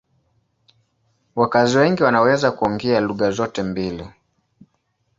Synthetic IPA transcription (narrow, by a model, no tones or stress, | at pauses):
wakaziwɛŋɡiwanawɛzakuɔŋɡɛaluɣazɔtɛmbili